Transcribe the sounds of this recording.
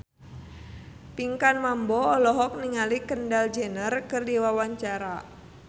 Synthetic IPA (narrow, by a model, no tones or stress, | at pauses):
piŋkanmambɔːlɔɦɔk̚niŋalikəndald͡ʒənərkərdiwawaɲt͡ʃaɾa